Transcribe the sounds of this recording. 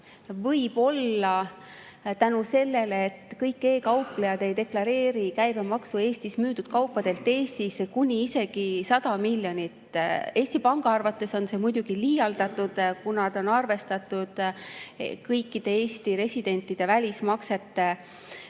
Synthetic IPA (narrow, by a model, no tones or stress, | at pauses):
vɤjb̥o̞lːɑ | t̪ænuse̞lːe̞leːt̪ːkɤjkːe̞ːkɑwple̞jɑd̪̥e̞jd̪e̞klɑɾe̞ːɾikæjbemɑksue̞ːst̪ismyːd̪̥ud̪̥̚kɑwpːˑɑd̪̥e̞lt̪ːˑe̞ːst̪iskunʲiise̞ɡ̥isɑd̪̥ɑmilʲjo̞nʲit̪ːe̞ːsʲt̪ipɑŋɡ̥ɑɑrvɑt̪ːˑe̞so̞nse̞mujd̪̥uɡ̥iliːjɑld̪̥ɑt̪ːˑud̪̥kunɑd̪̥o̞nɑrve̞st̪ɑt̪ːˑud̪̥ | kɤjkːˑid̪̥e̞e̞ːsʲt̪iɾe̞sʲid̪̥e̞nʲt̪ːˑid̪̥e̞vælʲismɑkse̞t̪ːe